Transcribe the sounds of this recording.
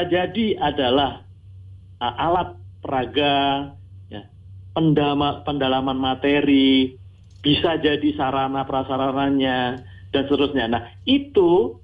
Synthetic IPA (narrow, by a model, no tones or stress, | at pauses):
d͡ʒadiadalah | əʔalat̪̚pəɾaɡa | ja̰ | pəndamapəndalamanmat̪eɾi | b̥isad͡ʒadisaɾanapəɾasaɾanaɲa | d̥ansət̪əɾʊsɲanahit̪u